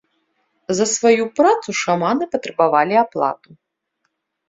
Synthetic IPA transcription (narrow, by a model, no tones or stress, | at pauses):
zɐsvajupɾat̪suʂamanɨpɐt̪ɾɛbavalʲiaplˠa̰t̪u